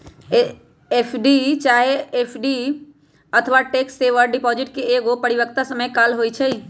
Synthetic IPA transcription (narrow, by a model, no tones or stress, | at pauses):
epʰɖit͡ʃaɦeepʰɖi | ət̪ʰəʋaʈekseʋəɾɖipɔd͡ʒɪʈkeːɡopəɽiʋəkt̪asəməjkalɦojt͡ʃʰəi